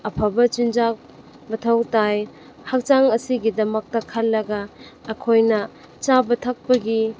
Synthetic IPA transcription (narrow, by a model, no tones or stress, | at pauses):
ɐpʰɐbɐt͡ʃind͡ʒak̚ | bɐtʰɐwtaj | hak̚t͡ʃaŋɐsiɡidɐmɐk̚tɐkʰalːɐɡɐːkʰojnɐ | t͡ʃabɐtʰak̚pɐɡi